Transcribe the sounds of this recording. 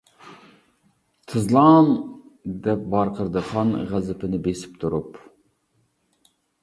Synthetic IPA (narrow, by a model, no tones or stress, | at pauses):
t̪ʰɨzlˠɑnd̪ɛp̚bɑɾqʰəɾd̪əχʰɑnʁæzɪpʰɪnɪbesɪ̥p̚t̪ʰuɾup